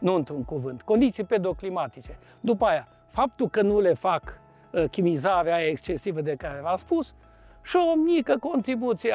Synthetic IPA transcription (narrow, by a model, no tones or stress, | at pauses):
nuɨnt̪ɾuŋkuvɨnt̪ko̞nd̪it̪siped̪ɾoklimat̪it͡ʃe | d̪upəaja | fap̚t̪ulkənule̞fak | kʲimizaɾeajaekst͡ʃe̞sivəd̪e̞kaɾevaspus | ʃiomikəko̞nt̪ɾibut̪sije